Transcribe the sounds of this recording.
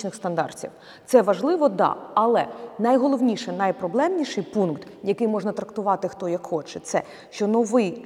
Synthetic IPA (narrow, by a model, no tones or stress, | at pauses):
nɪxst̪ɐnd̪ɑ̰rt͡sʲḭw | t̪sɛʋɐʒlˠɪʋɔd̪ɑ̰ɐlˠɛnɐjɦɔlˠɔʋnʲiʃɛnajpɾɔblˠɛmnʲiʃɪjpunkt̪jɐkɪjmɔʐnɐt̪ɾɐkt̪ʊʋɑt̪ɪxt̪ɔjɐkxɔt͡ʃɛt̪sɛ̰ | ʃt͡ʃɔnɔʋɪj